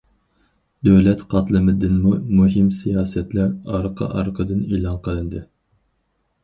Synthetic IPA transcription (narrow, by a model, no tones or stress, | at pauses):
d̪øwlɛt̪qʰɑt̪lˠɨmɨd̪ɨnmumuɦɪmsijɑːsɛt̪lɛɾɑɾqʰɑ̰ʔɑɾqʰəd̪ɨneːlˠɑnqʰəlˠɨnd̪ɨ